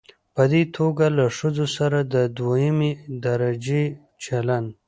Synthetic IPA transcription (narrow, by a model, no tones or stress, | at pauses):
pəd̪et̪ʰoɡalaʂəzosaɾad̪əd̪wajɪmed̪aɾad͡ʒe | t͡ʃalan